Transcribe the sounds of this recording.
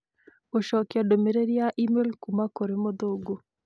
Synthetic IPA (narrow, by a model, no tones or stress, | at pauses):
oʃɔkjadomeɾeɾiaʔimelkumakoɾemoðoɡo